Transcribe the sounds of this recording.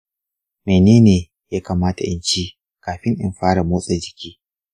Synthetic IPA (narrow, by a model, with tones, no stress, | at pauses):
meː˨neː˦neː˨ | jaː˦kaː˨maː˦ta̰˨ʔɪ̰˦nt͡ʃiː˦ | kaː˨ɸɪ˦ŋʔɪ̰˨mɸaː˦ɽa˨moː˦sʼe˨d͡ʒɪ˨kʲiː˦